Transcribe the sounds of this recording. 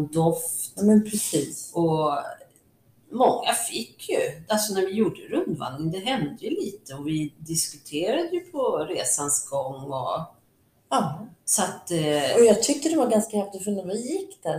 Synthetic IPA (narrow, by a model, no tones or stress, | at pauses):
d̪ɔft̪amɛnpʰɾɛsiːsɔ | mɔŋːafɪkːjɵalsɔnæɾvɪjuːɖəɾɵnd̪va̰nnɪŋd̪ɛɦɛnd̪əjɵliːt̪əɔvɪd̪ɪskɵt̪ʰeːɾad̪əjɵpʰɔɾeːsansɡɔŋːɔ̰ | ɑsat̪ɔjɑɡt̪ʰʏk̚t̪əd̪ɛvaɡanskahɛf̚t̪ɔfɵnavɪjɪkːd̪̥æɾ